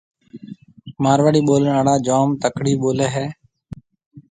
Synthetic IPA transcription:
maːɾʋaːɽiːɓoːleːnaːɽaːd͡ʒaːmt̪əkʰɽiːɓoːleːɦɛː

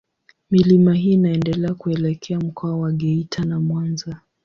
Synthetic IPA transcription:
milimaɦiːnaɛndɛlɛakuɛlɛkʰɛam̩kʰɔawaɠɛitʰanamwanza

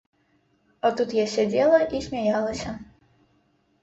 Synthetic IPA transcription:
ɔt̪ut̪jasʲɛd͡z̪ʲelˠɐʔisʲmʲɛjalˠɐsʲɐ

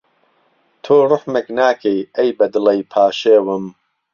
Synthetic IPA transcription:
t̪ʰoːrɨħmeknaːkʰejɐjbɐd̪ɨlejpʰaːʃeːwɨm

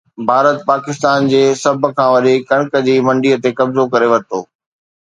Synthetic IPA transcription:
bʱaːɾət̪̚paːkɪst̪aːnd͡ʑeːsɐb̆ʱkʰãːʋɐɗekɐɽ̃kə̆d͡ʑiːmɐ̃ɳɖiət̪ekɐbzokɐɾeʋɐɾt̪oː

